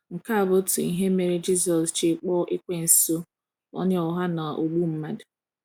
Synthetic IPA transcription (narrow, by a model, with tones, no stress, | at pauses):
ŋ̩˨ka˦a˨bʊ˦tʊ˨i˨ɦe˦me˨ɾi˦d͡ʒi˦z̬ɔ˨st͡ʃe˨k͡pɔ˦ʔɪ˦kʷe˦n̩˨so˦ | ɔ̰˦ɲ˦ɔ˨ɦa˦na˨ʔo˨ɡ͡bu˦m̩˦ma˦dʊ̥˨